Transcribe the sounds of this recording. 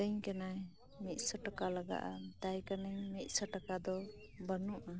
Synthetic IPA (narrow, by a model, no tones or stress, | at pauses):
t̪əɲkanaj | mit̪̚səʈakalaɡa̰ʔat̪ajkanəɲmit̪̚səʈakad̪ɔ | bənuʔa